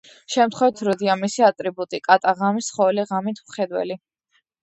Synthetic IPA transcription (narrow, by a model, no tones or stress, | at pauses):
ʃɛmt̪χwɛvit̪ʰɾɔd̪iamisiat̪ʼɾibut̪ʼikʼat̪ʼaʁamisχɔɛliʁamit̪ʰmχɛd̪wɛ̰li